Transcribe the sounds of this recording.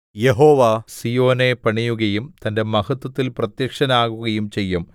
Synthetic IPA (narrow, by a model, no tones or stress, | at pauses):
jeɦo̞ːʋasijo̞ːne̞pɐɳijuɣɐjumt̪ɐnde̞mɐhɐt̪ːwɐt̪ːilprɐt̪jɐkʂɐnaːɣuɣɐjumt͡ɕe̞jːum